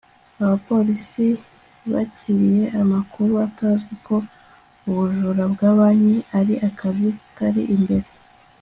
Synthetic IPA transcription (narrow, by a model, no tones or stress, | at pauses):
aβapo̞lisi | βa̰cʰiɾije̞ʔamakuɾuataːzɡikʰo̞ | uβuʒuɾabɡaːβaɲeaɾiʔakʰazikaɾḭʔimbe̞ɾe̞